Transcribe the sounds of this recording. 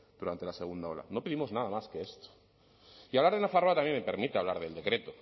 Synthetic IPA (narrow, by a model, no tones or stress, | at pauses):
d̪̥uɾant̪e̞lase̞ɣ̞und̪ao̞la̰no̞peðimo̞znaðamaske̞est̪o̥ | iaβlaɾð̞enafaroat̪amjemepe̞ɾmit̪eaβlaɾðe̞ld̪e̞kɾe̞t̪o